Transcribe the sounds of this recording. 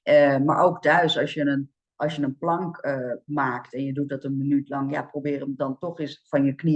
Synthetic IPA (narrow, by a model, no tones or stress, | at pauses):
əma̰rʔoːkdœɥsɔsjənən | ʔɔsjənənplɔŋkəmaːktɛnjədut̚dɔtənmənytlɑŋja̰probɪːrəmdɔntoxɪsfɔnjəkni